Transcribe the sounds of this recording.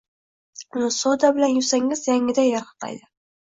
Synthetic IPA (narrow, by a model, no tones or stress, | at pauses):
ʊnɪsɒd̪abɪlanjʊsaŋɪzjaŋɪd̪ajaɾqɨ̥qʰɑ̰jd̪ɪ